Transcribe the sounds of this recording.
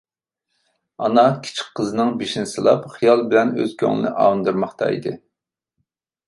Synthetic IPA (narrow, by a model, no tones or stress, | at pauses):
ɑnɑkʲʰi̥t͡ʃʰi̥kqʰːəzɨnɨŋbeʃinsɨlˠɑ̰pχijɑlˠbɪlɛnø̰zkʲʰø̰ŋɨ̰nɨ̰ʔɑ̰ːnd̪ɨɾmɑχt̪ʰɑ̰ḭd̪ɨ